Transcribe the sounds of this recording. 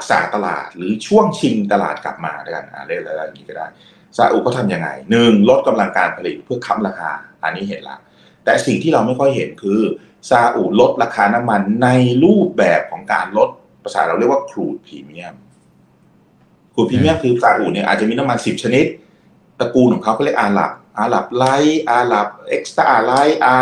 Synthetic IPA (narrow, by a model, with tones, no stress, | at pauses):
ɾa˦˥k̚sa̰ː˩˦t̪a˧la̰ː˨˩t̪̚ɾɯː˩˦t͡ɕʰu˥˩əŋt͡ɕʰi˧ŋt̪a˧la̰ː˨˩t̪̚kla˨˩p̚ma̰ː˧da˥˩ka˧nʔa̰˧˩lɯ˥˩kla˦˩la˧ja˨˩ŋiː˦kɔː˥˩daː˥˩j | saː˧ʔṵː˨˩kɔː˥˩t̪ʰa˧mja˧ŋːa̰˧jnɯ˨˩ŋlo˦˥t̪̚ka˧mla˧ŋkaː˧npʰa˧li˨˩t̪̚pʰɯ˥˩ɐkʰa˦˥mɾaː˧kʰa̰ː˧ʔa̰˧˩nːiː˦˥ɦe˩˦nla̰˦˥ | t̪ɛː˨˩si˨˩ŋt̪ʰiː˥˩ɾa˧wma˥˩jkʰɔ˥˩jɦe˩˦nkʰɯː˧ | saː˧ʔuː˨˩lo˦˥t̪̚ɾaː˧kʰaː˧na˦˥mːa˧nːa˧jɾuː˥˩p̚bɛː˨˩p̚kʰɔː˩˦ŋka̰ː˧nlo˦˥t̪̚ | pɾa˧saː˩˦ɾa˧wɾi˥˩əkwaː˥˩kʰɾuː˨˩t̪̚pʰiː˨˧mi˦˥˩əm | kʰɾuː˨˩t̪̚pʰiː˧mi˥˩əmkʰɯː˧saː˧ʔuː˨˩ni˧˥˩ʔa̰˨˩t͡ɕa˨miː˧na˦˥mːa˧nsi˨˩p̚t͡ɕʰa˧ni˦˥t̪̚ː | ɾa˧kuː˧nkɔː˩˦ŋkʰa˥kʰɔ˥˩le˥˩ʔaː˨˧˩la̰˨˩p̚ʔaː˧la˨˩p̚la˦˥jʔaː˧la˨˩p̚ʔe˦˥k̚st̪aː˧˩ʔa˧˩la˦˥jʔaː˧